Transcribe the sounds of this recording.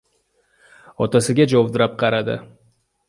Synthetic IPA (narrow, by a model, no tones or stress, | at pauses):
ɒt̪ʰasɪɡʲad͡ʒoɒbd̪ɪɾap̚qʰɑɾad̪ɪ̰